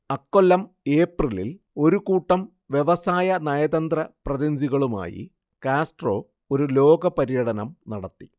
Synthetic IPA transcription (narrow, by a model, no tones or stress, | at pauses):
ɐkːolːɐm | e̞ːprilil | o̞ɾukuːʈːɐm | ʋje̞ʋɐsaːjɐnɐjɐd̪ɐnd̪rɐprɐðind͡ʑiɣɐɭuma̰ːjḭ | kaːsʈro̞ː | o̞ɾulo̞ːɡɐpɐɾijɐɽɐnɐmnɐɽɐt̪ːi̥